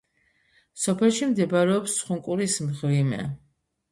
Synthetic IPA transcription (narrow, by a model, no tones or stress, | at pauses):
sɔpʰɛlˠʃimd̪ɛbaɾɛɔpsːχuŋkʼuɾismʁvimɛ̰